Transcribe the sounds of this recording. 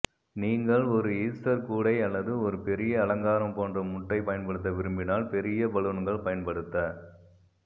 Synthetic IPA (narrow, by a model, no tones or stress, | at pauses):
niːŋɡɐɭɔɾɯiːsʈɐɾkuːɽɐɪɐlːɐðɯɔɾɯpɛɾɪjɐːlɐŋɡaːɾɐmpoːndrɐmʊʈːɐɪpɐjɐnpɐɽɯt̪ːɐʋɪɾɯmbɪnaːlpɛɾɪjɐbɐɭɯnɯɡɐɭpɐjɐnpɐɽɯt̪ːɐ